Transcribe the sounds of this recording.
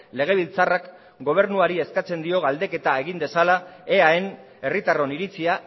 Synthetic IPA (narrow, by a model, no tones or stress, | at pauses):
le̞ɣ̞e̞β̞ilt͡sarak | ɡo̞β̞e̞ɾnuaɾie̞skat͡se̞nd̪io̞ɣald̪e̞ke̞t̪ae̞ɣ̞ind̪e̞salae̞ae̞n | e̞rit̪aro̞niɾit͡sia